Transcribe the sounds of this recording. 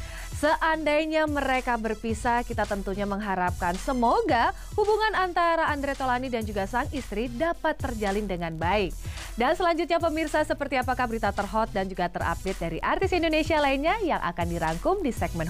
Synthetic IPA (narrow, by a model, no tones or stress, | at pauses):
səʔandajɲaməɾekabərpisakit̪at̪ənt̪uɲaməŋɦaɾap̚kansəmoɡa | hubuŋanant̪aɾaːndɾet̪olanidand͡ʒuɡasaŋist̪ɾidapat̪ːərd͡ʒalɪndəŋanbaɪk̚ | dansəlaɲd͡ʒut̪̚ɲapəmirsasəpərt̪iapakahbəɾit̪at̪ərɦɔt̪̚dand͡ʒuɡat̪əra̰pɪt̪̚daɾiʔart̪ɪsindonesialainɲajaŋʔa̰kandiɾaŋkʊmdisɛɡ̚mɛn